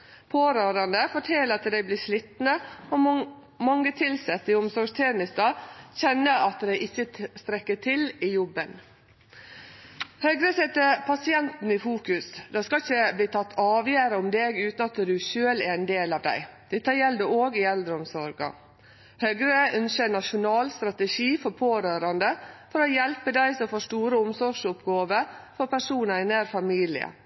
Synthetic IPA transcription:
pʰoːɾøːɾɑnd̪əfɔʈʰɛːləɾɑt̪d̪æɪbliːʂlit̪nəɔ | mɑŋːət̪ʰɪlsɛt̪ːɪʊmsɔɾɡst̪ʰɛnɪsd̪ɑçɛnːəɾɑt̪d̪æɪʔɪçːəst̪ɾɛkːəʈʰɪlɪjɔbːən | hœɡɾəsɛt̪ːəpʰɑsɪɛnt̪n̩ɪfuːkʉsd̪ɑskɑɪçəbliːt̪ʰɑt̪ːɑːʋjæːɾəʊmd̪eːɡʉːt̪nɑt̪d̪ʉʃøːlæɾæɛnd̪eːlɑːʋd̪æ̰ɪd̪̥ɛt̪ːəjɛld̪əoːɡɪɛld̪ɾəɔmsɔɾɡɑ̰ | hœɡɾəœnsʃənɑʂʊnɑːlst̪ɾɑt̪əʃiːfɔɾpʰoːɾøːɾɑnd̪əfɔɾoːjɛlpəd̪æɪsɔfoːʂʈuːɾəʊmsɔɾʂʊpɡɑːʋəɾfɔɾpæʂuːnəɾɪnæːɾfɑmiːlɪ̰ə̰

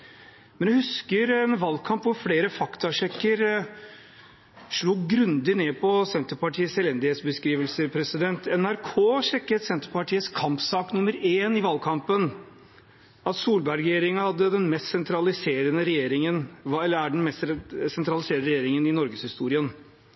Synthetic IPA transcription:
mɛnjæhʉskəɾɛnʋɑlkʰɑmpʋʊɾfleːɾəfɑkt̪ʰɑʂɛkːəɾ | ʂɭuːɡɾʉnd̪ɪneːpʰɔsɛnt̪əɾpɑʈʰiːəsɛlɛnd̪ɪheːt̪sbəskɾiːʋəlsəɾpʰɾɛsɪd̪ɛnt̪ʰɛnæɾkʰoːʂɛkːət̪sɛnt̪əɾpɑʈʰiːət̪skʰɑmpsɑːknʊmːəɾeːnɪʋɑlkʰɑmpən | ɑt̪suːlbæɾɾɛjeːɾɪŋɑhɑd̪ːəd̪ɛnmɛst̪sɛnt̪ʰɾɑlɪseːɾənəɾɛjeːɾɪŋənɑɛlːəɾæɖɛnmɛssɛnt̪ʰɾɑlɪseːɾəəɾɛjeːɾɪŋənɪnɔɾɡəshɪst̪uːɾɪən

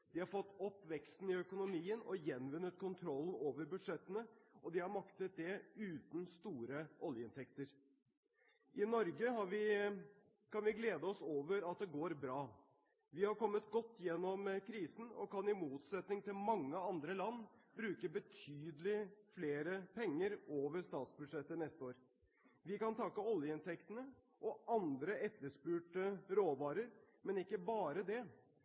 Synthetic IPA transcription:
d̪ɪhɑɾfɔt̪ːɔpːʋɛkst̪n̩ɪœkʊnʊmiːənɔ̰jɛnːʋʉnːət̪̚kʰʊnt̪ʰɾɔlːn̩oːʋəɾbʉd̪ʂɛt̪ːənəɔd̪ɪhɑɾmɑkt̪ət̪̚d̪ɛʉːt̪n̩st̪uːɾəʔɔljəɪnt̪ʰɛkt̪əɾ | ʔɪnɔɾɡəɦɑɾʋɪ | kɑnʋɪɡleːd̪əɔsoːʋəɾɑt̪̚d̪ɛɡoːɾbɾɑː | ʋɪhɑɾkɔmːət̪ɡɔt̪ːjɛnːɔmkʰɾiːsn̩ɔ̰kɑnɪmuːt̪sɛt̪nɪŋt̪ɪlmɑŋːəɑnd̪ɾəlɑnːbɾʉːkəbət̪ʰyːd̪əlɪfleːɾəpʰɛŋːəɾoːʋəɾʂt̪ɑːt̪sbʉʂɛt̪ːənɛst̪əoːɾ | ʋɪkɑnt̪ʰɑkːəɔljəɪnt̪ʰɛkt̪ənə | ʔɔʔɑnd̪ɾəɛt̪ːəʂpʉːʈəɾoːʋɑːɾəɾ | mɛnɪkːəbɑːɾəd̪ɛ

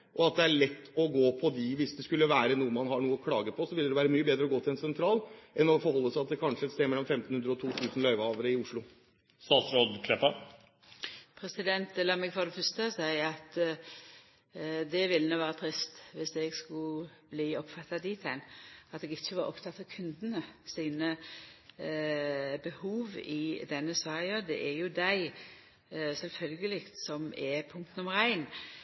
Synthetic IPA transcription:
ʔɔɑt̪̚d̪ɛæɭɛt̪ːɔɡoːpʰɔd̪ɪʋɪsd̪ɛskʉlːəʋæːɾənuːəmɑnhɑɳuːəɔkʰlɑːɡəpʰɔsɔʋɪld̪d̪ɛʋæːɾəmyːəbeːd̪ɾəɔɡoːt̪ɪlɛnsɛnt̪ʰɾɑːlʔɛnɔfɔɾɦɔlːəsæɑt̪̚d̪ɛkʰɑnʂəɛt̪st̪eːmɛlːɔmfɛmt̪n̩hʉnd̪ɾəɔt̪ʰuːt̪ʰʉːsn̩lœʏʋhɑːʋəɾəɪʊʂɭʊ | st̪ɑːt̪sɾoːd̪kʰlɛpːɑ | pʰɾɛsɪd̪ɛnt̪ɛlːəɾmɛɡfɔd̪ɛfœst̪əɑsæɪɑt̪ | d̪ɛʋɪlːənuːʋɑːɾət̪ʰɾɪst̪ʋɪsɛɡskʉb̥liːɔpfɑt̪ːɑd̪iːt̪ʰɛnɑt̪d̪ɛɡɪçːəʋɑːɾʔɔ̰pt̪ʰɑt̪ːɑkʰʉnd̪ənəsiːnə | bəhuːʋɪd̪ɛnːəsɑːɾɪəd̪ɛ̰ʔæɾjʊd̪æɪ | sɛlfœlɡəlɪkt̪sɔmɛpʰʊŋk̚t̪n̩ɔmɾæɪn

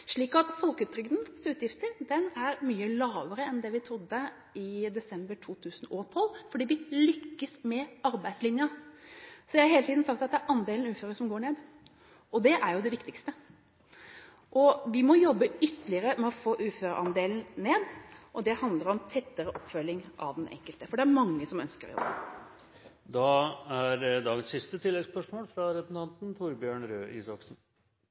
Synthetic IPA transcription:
ʂɭiːkɑt̪fɔlkʉːt̪ʰɾʏɡd̪n̩sʉːt̪jɪft̪əɾd̪ɛnæɾmyːəlɑːʋəɾəɛnd̪ɛʋɪt̪ʰɾʊd̪ːə | ɪd̪ɛsɛmbəʈʰuːt̪ʰʉːsənɔt̪ʰɔlːfɔɖiːʋɪlʏkːəsmɛɑɾbæɪd̪slɪnjə | sɔjæhɑɾheːlət̪iːd̪n̩sɑk̚t̪ɑt̪̚d̪ɛæɾʔɑnd̪eːln̩ʉːføːɾəʂɔmɡoːɳeːd̪ | ʔɔd̪ɛʔæɾjʊd̪ɛʋɪkt̪ɪkst̪ə | ʔɔʋɪmɔjɔbːəʏt̪əlɪəɾəmɛɔfoːʔʉːføːɾəʔɑnd̪eːln̩neːd̪ʔɔd̪ɛhɑnd̪ləɾɔmt̪ʰɛt̪ːəɾəʔɔpːfœlːɪŋʔɑ̰ʋd̪ɛnʔɛ̰ŋkəlt̪əfɔɖɛæɾmɑŋːəsɔmœ̰nskəɾɔ̰jɔ̰bə | d̪ɑæɾd̪ɑːɡənsːɪst̪ət̪ʰɪlːɛɡspœʂmoːlfɾɑɾɛsnt̪ʰɑnt̪n̩t̪ʰʊɾbjøːɳɾøːʔḭːsɑksn̩

